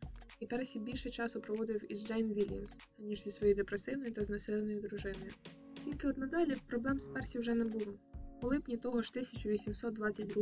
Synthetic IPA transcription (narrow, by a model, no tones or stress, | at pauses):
ipɛɾɛsʲibʲilʲʃɛt͡ʃɑsʊpɾɔʋɔd̪ɪwid͡ʒejnʋʲilʲɐmsnʲiʒzʲɐsʋɔjɔjd̪epɾesɪwnɔjʊt̪ɐznɐsɪlˠenɔjʊd̪ɾʊʒɪnɔjʊ | tʲilʲkɪɔd̪nɐd̪ɑlʲipɾɔblˠɛmspɛrsʲiwʒɛnɛbulˠɔʊlˠɪpnʲit̪ɔɦɔʃt̪ɪsʲɐt͡ʃʊʋʲisʲimsɔt̪d̪ʋɑt͡sʲːɐt̚ʲd̪ɾu